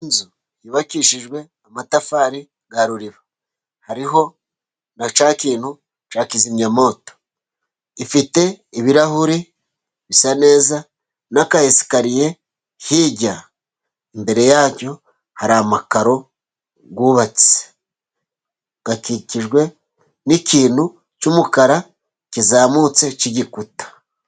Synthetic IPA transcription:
nzu | jiβakiʃiʒɡwe̞ | amatafaːɾi | ɡaɾuɾiβa | haɾiɦo̞ | nat͡ʃaːkiːnhu | t͡ʃaːkizimɲamo̞ːto̥ | ifite̞ | iβiɾahuɾi | βisane̞ːza | nakajesi̥kaɾije̞ | hiɟa | imbe̞ɾe̞jaːco̞ | haɾaːmakaɾo̞ | ɡuːβat͡si̥ze̥ | ɡ̥akiciʒɡwe̞ | nikiːn̥hu | t͡ʃumukaɾa | kizaːmut͡se̞ciɟikutḁ

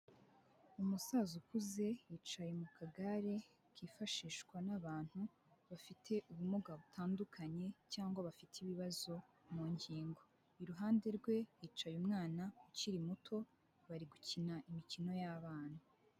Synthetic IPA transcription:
umusazukuze̞jit͡ʃajemukʰaɡaɾe̞ | kʰiːfaʃiːʃkwanaβaːn̥hu | βafitʰe̞ʔuβumuɡaβutʰaːndukʰaɲe̞caːŋɡwaβafitʰiβiβazo̞ | muːɲɟiːŋɡo̞ | iɾuɦaːnde̞ɾɡwe̞jiːt͡ʃajumŋaːnakuciɾimutʰo̞ | βaɾiɡucinaʔimicino̞jaβaːn̥hu

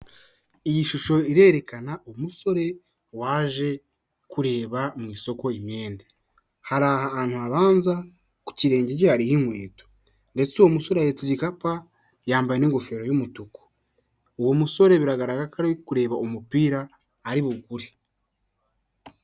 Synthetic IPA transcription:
ijiʃuʃo̞iɾe̞ːɾe̞kanaʔomuso̞ɾe̞ | waːʒe̞ | kuɾe̞ːβamŋiːso̞ko̞imje̞ːnde | haɾaːhaaːn̥huaβaːnza | ku̥ciɾe̞ːɲɟecehaɾihiŋweːto̥ | nde̞t͡soomuso̞ɾeajet͡siɟikapa | jaːmbajeneːŋɡo̞fe̞ːɾo̞jumutuku̥ | uwomuso̞ɾe̞βiɾaɡaɾaɡakaɾekuɾe̞ːβaomupiːɾaː | ɾiβuɡuɾi

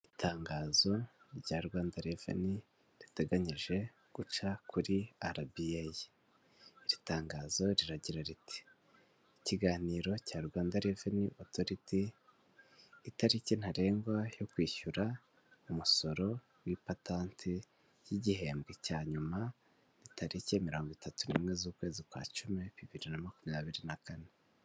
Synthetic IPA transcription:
itʰaːŋɡaːzo̞ | ɾɟaːɾɡwaːndaɾevḛni | ɾite̞ɡaɲiʒe̞ | ɡ̥ut͡ʃakʰuɾiaɾabiajiː | ɾitaːŋɡaːzo̞ɾiɾaɟiɾaɾiti̥ː | ciɡaːniːɾo̞caːɾɡwaːndaɾeveniʔoto̞ɾiti | taɾicen̥haɾe̞ːŋɡwajo̞kwiːʃuɾa | umuso̞ɾo̞ | wipataːntʰi | jiɟihe̞ːmbɡecaːɲuma | ɾitʰaɾice̞miɾo̞ːŋɡitatunḭmŋe̞zuːkwe̞ːzikwa̰ːt͡ʃume̞βiβiɾinamakumijaβiɾinakane

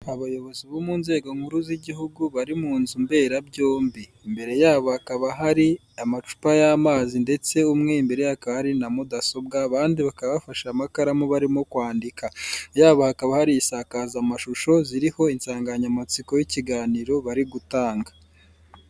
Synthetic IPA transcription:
aβajo̞βo̞ziβomuːnze̞ːɡo̞ŋ̥huɾuziɟiɦuɡuβaɾimuːnzumbe̞ɾabɟo̞ːmbiːmbe̞ɾe̞jaːβohakaβaɦaɾi | amat͡ʃu̥pajaːmaːzinde̞t͡se̞umŋe̞imbe̞ɾe̞jakaβahaɾinamudaso̞bɡaːβaːndiβakaβaβafaʃamakaɾamoβaɾimo̞kwaːndikajaːβohakaβahaɾijisakazamaʃuʃo̞ziɾiho̞insaːŋɡaɲamat͡siko̞jiciɡaːniɾo̞βaɾiɡutaːŋɡa

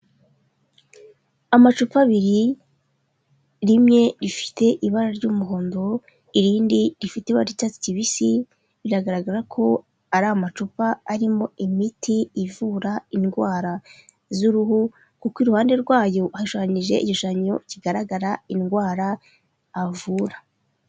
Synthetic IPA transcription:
amat͡ʃupaβiɾi | ɾimɲe̞ɾifi̥te̞ʔiβaɾaɾɟuːmuɦoːndo | iɾiːndiɾifiteβaɾitati̥ciβisi | βiɾaɡaɾaɡaɾakʰo̞ | aɾaamat͡ʃupaːɾimo̞imitʰiːvuɾainɡwaːɾa | zuɾuɦu | kukiɾuhaːnde̞ɾɡwaːjo̞haʃoaɲiʒe̞̰iciʃaɲociɡaɾaɡaɾainɡwaːɾaː | vuːɾa

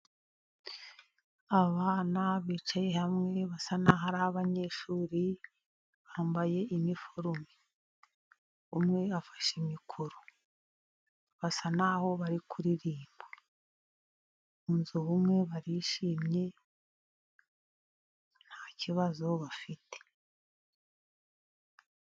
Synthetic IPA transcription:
aβaːnaβiːt͡ʃaje̞hamŋe̞βasanaɦaɾaβaɲe̞ʃuːɾi | βaːmbaje̞inifoɾumi | βumŋe̞afḁʃimikʰuɾo̥ | βasanaho̞βaɾikʰuɾiɾiːmbo | unzuβumŋe̞βaɾiʃiːmɲe̞ | n̥haːciβazo̞βafitʰe̥

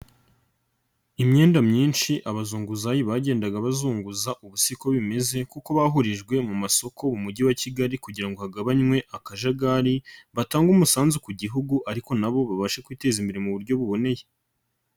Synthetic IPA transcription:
imɲe̞ːndamɲiːnʃiʔaβazuːŋɡuzajiβaɟe̞ːndaɡaβazuːŋɡuzaʔuβusiko̞βime̞ze̞kuko̞βaɦuɾiʒɡwe̞mumaso̞ko̞mumuɟiwaciɡaɾikuɟiɾaŋɡo̞haɡaβaɲŋwe̞ʔakaʒaɡaɾiβataːŋɡumusaːnzukuɟiɦuɡuʔaɾiko̞naβo̞βaβaʃekwiːte̞zimbeɾemuβuɾɟo̞βuβo̞ne̞je̞

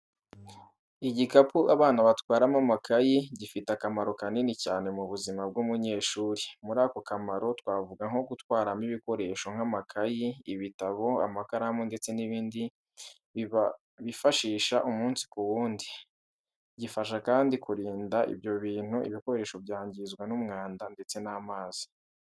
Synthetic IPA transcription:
iɟikapʰuʔaβaːnaβatkwaːɾamamakʰajiɟifitakamaɾo̞kaninicaːne̞muβuzimab̚ɡuːmuɲe̞ːʃuːɾimuɾaːko̞kamaɾo̞twaːvuɡaŋ̥o̞ɡutwaːɾamiβiko̞ɾe̞ːʃo̞ŋ̥amakʰajiiβitaβo̞a̰makaɾamonde̞t͡se̞niβiːndi | βifaʃiːʃaʔumuːnsi̥kuwuːndi | ɟifaʃ̬akaːndikuɾiːndaʔḭbjo̞βiːn̥huḭβiko̞ɾe̞ːʃo̞bjaːɲɟizɡwanumŋaːndande̞t͡se̞naːmaːz̥i̥

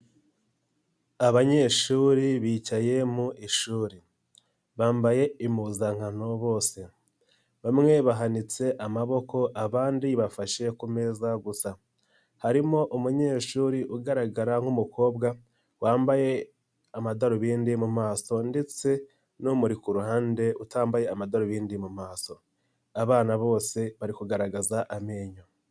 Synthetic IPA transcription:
aβaɲe̞ːʃuːɾiβiːcaje̞muʔiʃuːɾi | βaːmbaje̞imuzaŋhano̞βo̞ːse̞ | βamŋe̞βaɦanit͡se̞ʔamaβo̞ko̞ʔaβaːndiβafaʃe̞kume̞zaɡusa | haɾimo̞ʔumuɲe̞ːʃuːɾiʔuɡaɾaɡaɾaŋ̥umuko̞ːbɡa | waːmbaje̞ | amadaɾoβiːndimumaːso̞nde̞t͡se̞ | numuɾikuɾuhaːnde̞utaːmbaje̞amadaɾoβiːndimumaːso̞ | aβaːnaβo̞ːse̞βaɾikuɡaɾaɡazaʔameːɲo

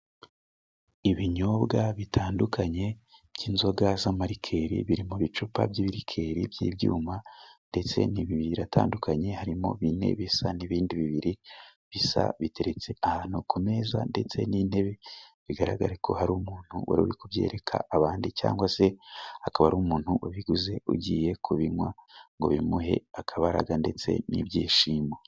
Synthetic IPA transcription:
iβiɲo̞bɡaβitʰaːndukʰaɲe̞bɟiːnzo̞ɡazamaɾikʰe̞ɾḭβiɾimuβit͡ʃupa̰bjiːβiɾikʰe̞ɾibjḭːbjṵːmande̞t͡se̞̰niβiβiɾata̰ːndukʰaɲe̞haɾimo̞̰βine̞̰βisaniβiːndiβiβiɾiβisa̰βite̞ɾet͡se̞ahaːn̥hukume̞za̰nde̞t͡se̞̰niːnhe̞βe̞βiɡaɾaɡaɾekʰo̞̰haɾumuːn̥huwa̰ɾuɾikuβje̞ːɾe̞kʰa̰aβaːndit͡ʃa̰ːŋɡwase̞akaβaɾumuːn̥huwaβiɡuze̞ṵɟiːje̞kʰuβiŋwaŋɡo̞̰βimuɦe̞̰akʰaβaɾa̰ɡande̞t͡se̞̰nḭβɟiːʃiːmo

